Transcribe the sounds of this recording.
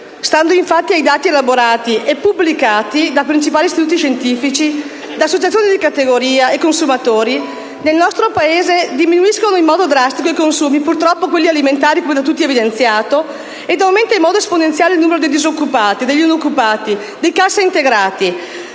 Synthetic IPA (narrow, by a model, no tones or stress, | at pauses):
st̪and̪oiɱfat̪ːiajd̪aːt̪ielaboɾaːt̪iepːubːlikaːt̪id̪apɾint͡ʃipaːlist̪it̪uːt̪̬iʃent̪iːfit͡ʃi | d̪asːot͡ʃat̪sjoːnid̪ikat̪eɡoɾiːaekːonsumat̪oːɾi | nelnɔst̪ɾopaeːzed̪iminuiskonoimːɔːd̪od̪ɾast̪ikoikonsuːmipurt̪ɾɔpːokwelːialiment̪aːɾikomed̪at̪̬ut̪ːievid̪ent̪sjaːt̪o | ed̪awment̪oaimɔːd̪oesponent̪sjaːleilnuːmeɾod̪ejd̪izokːupaːt̪id̪eʎːinokːupaːt̪i | d̪ejkasːeint̪eɡɾaːt̪i